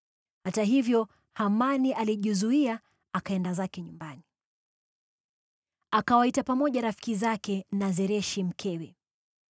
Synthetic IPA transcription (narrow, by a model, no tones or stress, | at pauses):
hataɦivjɔ | hamaniʔaliʄizuia | akaɛndazakɛɲumbani | akawaitapamɔʄaɾafi̥kizakɛnazɛɾɛʃim̩kʰɛwɛ